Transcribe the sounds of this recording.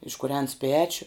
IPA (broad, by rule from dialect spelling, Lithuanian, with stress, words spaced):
ɪʃkʊˈrʲɛns ˈpʲæːt͡ʃʲʊ